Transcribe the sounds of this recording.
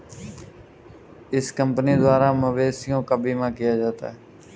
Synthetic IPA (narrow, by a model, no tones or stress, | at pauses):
ɪskəmpniːd̪ʋaːɾaːməʋeːsɪjõːkəbʱiːmãːkɪjaːd͡ʒaːt̪a̰ːɦː